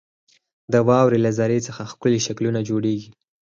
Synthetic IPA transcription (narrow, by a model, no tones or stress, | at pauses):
d̪əwɑwɾelazaɾet͡səxaxkʊliʃaklunad͡ʒoɽeɡi